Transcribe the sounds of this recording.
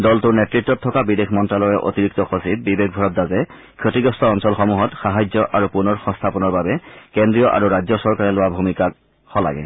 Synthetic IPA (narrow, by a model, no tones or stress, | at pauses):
dɔltuɹnɛtɹitːɔtʰːɔkabidexʰmɔntɹalɔjɛʔo̰tiɹik̚tɔxosit̚bibek̚bʱɔɹɔt̚dazɛ | kʰotiɡɔstʰɔːnsɔlxomuɦɔtxaɦajzɔʔaɹupunɔɹxɔ̃ŋstʰapɔnɔɹbabɛkendɹijɔʔa̰ɹuɹazɔsɔɹkaɹɛlowabʱumikak̚ | xɔla̰ɡɛ̰